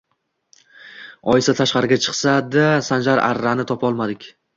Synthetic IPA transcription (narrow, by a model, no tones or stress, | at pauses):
ɒɪsat̪ʰaʃqɑɾɪɡʲat͡ʃʰɨ̥qsad̪asand͡ʒaɾʔa̰ɾːanɪt̪ʰɒpʰɒlˠmad̪ɪkʲ